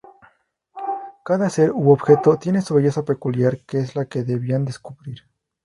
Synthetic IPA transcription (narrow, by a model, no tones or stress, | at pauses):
kaðase̞ɾuoβxe̞t̪o̞t̪je̞nesuβeʝe̞sape̞kuljaɾkeezlake̞ðeβiand̪e̞skuβɾiɾ